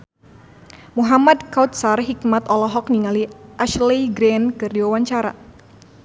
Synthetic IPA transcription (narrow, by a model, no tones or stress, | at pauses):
muɦamad̪kawt̪̚sarɦikmat̪ɔlɔɦɔk̚niŋaliʔaʃliɡɾɛnkɨrdiwawaɲt͡ʃaɾa̰